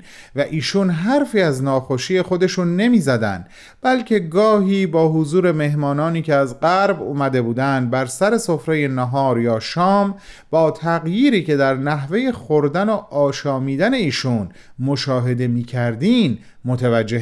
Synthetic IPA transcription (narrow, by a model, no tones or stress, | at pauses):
væʔiːʃuːnɦæɾfiːæznɒːxoʃiːje̞xo̞d̪e̞ʃuːnːe̞miːzæd̪æ̰nd̪̥ | b̥ælcʰe̞ɡɒːɦiːbɒːɦozuːɾe̞me̞ɦmɒːnɒːniːcʰeæzɢæɾbuːmæd̪e̞buːd̪ænd̪̚bæɾsæɾe̞so̞fɾe̞je̞næɦɒːɾjɒːʃɒːmb̥ɒːt̪ʰæɣjiːɾiːce̞d̪æɾnæɦve̞je̞xoɾd̪æno̞ʔɒːʃɒːmiːd̪æne̞iːʃuːn | moʃɒːɦe̞d̪e̞miːcʰæɾd̪iːn | mot̪ʰevæd͡ʒːeh